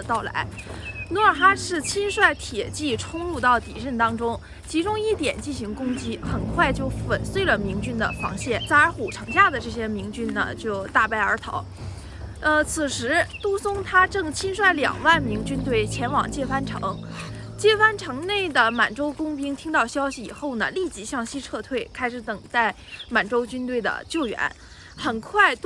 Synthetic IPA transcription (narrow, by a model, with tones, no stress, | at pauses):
t̪ɑ˥˩ʊla̰˧˥ɪ | nwɔ˧˥ə˞˨˩xa˥ʂɻ̩˥˩t͡ɕʰi˥nʂwa˥˩ɪt̪ʰjɛ˨˩t͡ɕi˥˩ʈ͡ʂʰʊ˥ŋɻu˥˧t̪ɑ˥˩ʊt̪ḭ˨˩ɻə˥˩nt̪ɑ˥ŋʈ͡ʂʊ˥ŋ | t͡ɕʰi˧˥ʈ͡ʂʊ˥ŋi˥˩t̪jɛ˨˩nt͡ɕi˥˩nɕi˧˥ŋkʊ˥ŋt͡ɕi˥xə˨˩nkʰwa˥˧ɪt͡ɕjo˥˩ʊfə˨˩nswe˥ɪlə˨mi˧˥ŋt͡ɕy˥nd̪ə̰˨fɑ̰˧˥ŋɕjɛ˥˩nt͡sa˥˩˧ə˞˧˥xu˨˩ʈ͡ʂʰɤ˧˥ŋɕja˥˩d̪ə˩ʈ͡ʂɤ˥˩ɕjɛ˥mi˧˥ŋt͡ɕy˥nnə̰˨t͡ɕjo˥˧ʊt̪a˥˧pa˥˩ɪə˞˧˥t̪ʰɑ̰˧˥ʊ | ə˧t͡sʰɹ̩˨˩ʂɻ̩˧˥t̪u˥sʊ˥ŋt̪ʰa˥ʈ͡ʂɤ˥˩ŋt͡ɕʰi˥nʂwa˥˩ɪljɑ̰˨˩ŋwa˥˩nmi˧˥ŋt͡ɕy˥nt̪we˥˩ɪt͡ɕʰjɛ˧˥nwɑ̰˨˩ŋt͡ɕjɛ˥˩fa˥nʈ͡ʂʰɤ̰˧˥ŋ | t͡ɕjɛ˥˩fa˥nʈ͡ʂʰɤ˧˥ŋne˥˩ɪd̪ə˩ma˨˩nʈ͡ʂo˥ʊkʊ˥ŋpi˥ŋt̪ʰi˥ŋt̪ɑ˥˩ʊɕjɑ˥ʊɕi˨i˨˩xo˥˩ʊnə̰˩li˥˩t͡ɕi˧˥ɕjɑ˥˩ŋɕi˥ʈ͡ʂʰɤ˥˧t̪ʰwe˥˩ɪkʰa˥ɪʂɻ̩˧˥t̪ɤ˨˩ŋt̪a˥˩ɪma˨˩nʈ͡ʂo˥ʊt͡ɕy˥nt̪we˥˩ɪd̪ə̰˩t͡ɕjo˥˩ʊɥɛ̰˧˥n | xə˨˩nkʰwa˥˧ɪ